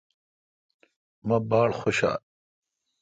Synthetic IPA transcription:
mɐbaːɽxoɕa̰ːl

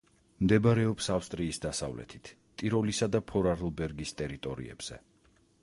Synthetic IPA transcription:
md̪ɛbaɾɛɔpsafst̪ʼɾiːsd̪asa̰vlɛ̰t̪ʰi̥t̪ʰ | t̪ʼiɾɔlisad̪apʰɔɾaɾlˠbɛɾɡist̪ʼɛɾit̪ʼɔɾḭɛ̰b̥z̥ɛ̰

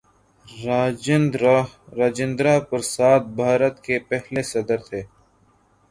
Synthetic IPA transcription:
nɾaːd͡ʒɪ̃nd̪ɾaːpɐɾsaːt̪̚bʱaːɾət̪kepɛɦlesɐd̪əɾt̪ʰeː

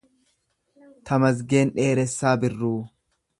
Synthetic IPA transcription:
t̪ʰɐmɐs̬ɡe̞ːnᶑe̞ːɾɛsːaːbɪrːuː

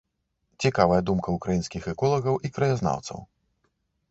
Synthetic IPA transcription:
t͡sʲikavɐjɐd̪umkɐukɾajinskʲixɛkɔlˠɐɣɐwʔikɾɐjazna̰wt̪sɐ̰w

